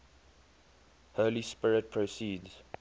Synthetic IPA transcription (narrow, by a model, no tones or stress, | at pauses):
hɜːlispɪɹɪt̚pʰɹosiːdz̥